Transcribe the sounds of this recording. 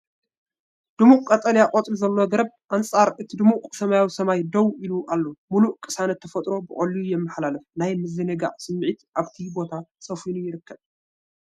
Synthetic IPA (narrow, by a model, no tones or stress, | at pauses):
d̪̥ɨmuʔkʼɐt̪ʼɐljakʼot̪ʼluzɐlːoɡɐɾɐb̚ʔant͡sʼaɾʔɨt̪ʰid̪ɨmuʔkʼsɐmajawisɐmajd̪ɐwiluʔalːomuluʔkʼɨsanɐt̪ʰːɐfɐt̪ʼɾo̞bɨʔʼolijujɛmːɨħlalɨfnajmɨzɨnɐɡa̰ʕsɨmːʕit̪ʔaβt̪ʰibo̞t̪ʰasʼɐfinujɪɾɨkːɐb̚